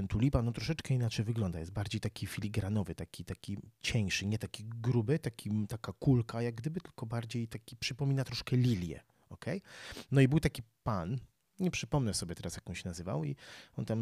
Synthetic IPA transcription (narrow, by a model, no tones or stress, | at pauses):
ɛnt̪ulʲipanɔt̪ɾɔʂɛt͡ʂkɛinat͡ʂɛjvɘɡlɔnd̪ajɛst̪baɾd͡ʑejt̪akʲifʲilʲiɡɾanɔvɘt̪akʲit̪akʲit͡ɕɛ̃ʂɘɲɛt̪akʲiɡɾubɘt̪akʲʰit̪akakulkajaɡ̚ɡd̪ɘbɘt̪ɘlkɔbaɾd͡ʑejt̪akʲi̥pʂɘpɔmʲinat̪ɾɔʂkɛlʲilʲjɛ̰ | ɔkʰɛjnɔibɘwt̪akʲipan | ɲɛpʂɘpɔmnɛsɔbʲjɛt̪ɛɾasjakɔwɕɛnazɘva̰wiɔnt̪am